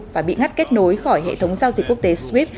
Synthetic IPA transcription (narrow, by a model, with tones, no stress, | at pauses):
vaː˨˩ɓḭ˧˨ŋa˦˥t̚ke˦˥t̚no˨˦jxɔ˧˩jɦḛ˧˨t̪ʰə˨˦wŋ͡mzaː˧wzi˨˩k̚kːu˦˥ək̚t̪e˨˦swi˦˥p̚